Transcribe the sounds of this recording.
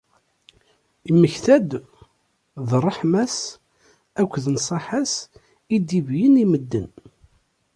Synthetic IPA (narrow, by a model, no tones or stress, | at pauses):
iməçθæd̪ | ðrˤːəħmæs | ækʷːðnsˤɑħas | id̪ivjəniməd̪ːən